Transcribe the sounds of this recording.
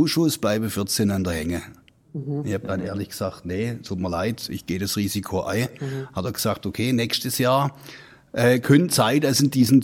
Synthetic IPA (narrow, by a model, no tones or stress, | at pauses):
uːʃʊsb̥laɪbəfɪɐt͡senandɐhɛŋə | ɪçhaːb̚d̥anḛːɐlɪçɡ̥əz̥aːk̚tnetʰuːt̚miɐlaɪtɪ̰çɡ̥eːdasʁiːzikʰoʔa̰ɪhatɐɡ̥əz̥aːk̚tokʰeːnɛkstəsjaːɐ | ʔɛːkʰœnt͡saɪdasɪnd̥iːzn̩t͡s